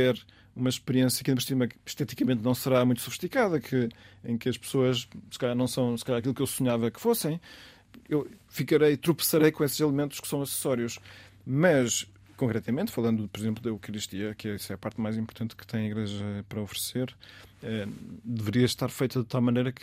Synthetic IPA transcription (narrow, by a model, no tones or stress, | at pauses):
ɛɾ | umɐʃpɨɾiẽsjɐkĩpɾʃt̪imɐkʃt̪ɛt̪ikɐmẽnt̪nɐ̃w̃sɨɾamũj̃t̪sufɨ̥ʃt̪ikaðɐkʰɨḛ̃j̃kɨɐʃpsoɐʃsɨ̥kɐʎaɾnɐ̃w̃sɐ̃w̃sɨ̥kɐʎaɾɐkilˠukewsuɲavɐkɨ̥fosɐ̃j̃ | ewfikɐɾɐjt̪ɾupɨ̥sɐɾɐjkõeszilˠmẽnt̪u̥ʃksɐ̃w̃ɐsɨ̥sɔɾiuʃ | mɐʃ | kõŋkɾɛt̪ɐmẽnt̪fɐlˠɐ̃nd̪upɔɾizẽmplˠuðewkɐɾiʃt̪iɐkɛisɛɐpaɾt̪majzĩmpʊɾt̪ɐ̃nt̪kɨ̥t̪ɐ̃j̃ɐiɣɾɛʒɐpɐɾɐɔfɾseɾɛd̪ɨvɨɾiɐʃt̪aɾfɐjt̪ɐðɨt̪alˠmɐnɐjɾɐk